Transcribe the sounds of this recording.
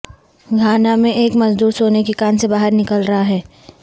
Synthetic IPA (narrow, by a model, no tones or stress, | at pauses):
ɡʱaːnamẽʔeːkmɐzd̪uːɾsoːnekikaːnsebaːɦəɾnɪkəlɾɐɦaɦɛː